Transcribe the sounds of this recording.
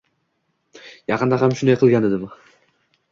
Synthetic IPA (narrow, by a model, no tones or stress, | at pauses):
jɑqɯnd̪ɑɦamʃund̪ajqʰɨlˠɡʲand̪ed̪ɪma